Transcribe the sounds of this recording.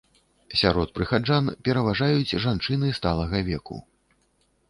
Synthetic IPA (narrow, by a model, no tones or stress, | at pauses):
sʲaɾɔt̪̚pɾɨxad͡ʐanpʲɛɾɐvaʐajud͡zʲʐant͡ʂɨnɨst̪alˠɐɣɐvʲɛkṵ